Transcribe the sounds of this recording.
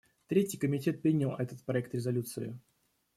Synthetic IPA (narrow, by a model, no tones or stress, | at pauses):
t̪ɾʲetʲɪjkəmʲɪtʲe̞t̪̚pʲɾʲinʲɪlˠɛt̪ət̪̚pɾɐɛk̚t̪ɾʲɪzɐlʲut̪sɨɪ